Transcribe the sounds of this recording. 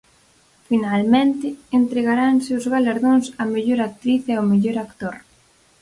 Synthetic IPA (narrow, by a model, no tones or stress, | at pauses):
finalmẽnt̪ɪːnt̪ɾeɣaɾaŋseʊzɣalaɾðoŋsameʎoɾak̚t̪ɾiθeomeʎoɾakt̪oɾ